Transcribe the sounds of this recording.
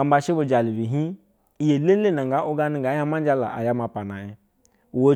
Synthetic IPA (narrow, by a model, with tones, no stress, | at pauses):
a˨m˦ba˧ʃe˦bo˧d͡ʒa˨li˨bi˨ɦi˦ | i˨je˨le˦le˦˨na˨ŋɡa˨˦ʔo˦ɡa˧ni˨ɡa˨˦ja˦ma˦n˦d͡ʒa˧la̰˨ʔa̰˨ja˦ma˨pa˨na˨ji˨ | wo˦